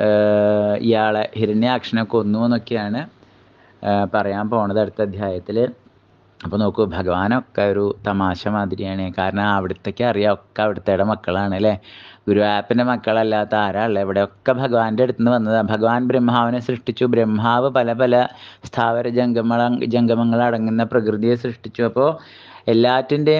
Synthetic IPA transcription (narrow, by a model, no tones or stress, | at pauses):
ḭjaːɭehiɾɐɳjaːkʂɐnɐmokːeo̞nːuenːo̞kːejaːɳɨ | pɐrɐjaːmpo̞ːɣuɳːɐðɐɽut̪ːɐd̪ʱjaːjɐt̪ːil | ɐpːoːnoːkːubʱɐɡɐʋaːnokːeo̞ɾut̪ɐmaːɕɐmaːnd̪ʱiɾijaːɳekaːɾɐɳɐmɐʋiɽut̪ːe̞kʲːeɐrijaokːeɐʋiɽut̪ːejɽemɐkːɐɭaːɳilːeɡuɾuʋaːpːinde̞mɐkːɐɭɐlːaːt̪ːɐaːɾaːɭːɐeʋiɽe̞o̞kːebʱɐɡɐʋaːndeɽut̪ːunːɨʋɐnːɐðɨbʱɐɡɐʋaːnbɾemɦaːʋinesrɨʂʈit͡ɕːubɾemɦaːʋɨpɐlɐpɐlɐst̪ʰaːʋɐɾɐd͡ʑɡɐmɐd͡ʑɐŋɡɐmɐŋːɐɭɐɽɐŋːunːɐprɐkrɨðijes̬rɨʂʈit͡ɕːuɐpːo̞ː | e̞lːaːtːinde̞